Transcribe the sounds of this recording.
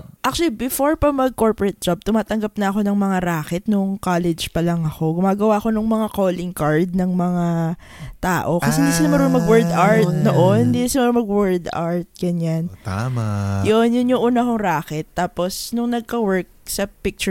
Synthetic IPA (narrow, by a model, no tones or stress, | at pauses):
ʔak̚t͡ʃʊɐlibɪfoɹpɐmɐɡ̚koɹpoɹɛt̪̚d͡ʒab̚t̪ʊmaːt̪ɐŋɡɐp̚nɐɐko̞nɐŋmɐŋaɾaːkɛt̪̚nʊŋkaːlɛd͡ʒpɐlɐŋɐko̞ɡʊmaːɡɐwaːʔɐko̞nʊŋmɐŋakoːlɪŋkaɹd̪̚nɐŋmɐŋa | t̪aːʔo̞kɐsɛɪnd̪iːsɪnɐmɐɾonmɐɡwɛɹd̪aɹt̪noʔonɪnd̪isɪnmɐɾomɐɡwɛɹd̪a̰ɹt̪̚ɡ̥ɐɲanamajonjʊnjʊŋʔuːnɐkoŋɾaːkɛt̪ːaːpo̞snʊŋnɐɡ̚kɐwɛɹk̚sɐpɪk̚t͡ʃʊ